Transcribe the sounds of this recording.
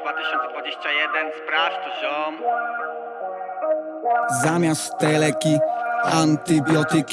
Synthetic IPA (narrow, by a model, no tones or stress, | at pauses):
d̪vat̪ɨɕɔnt̪sɛd̪vad͡ʑeɕt͡ɕajɛd̪ɛnspɾaft̪ɔʑɔm | zamʲjast̪t̪ːɛlɛkʲiant̪ɨbʲjɔt̪ɪkʲ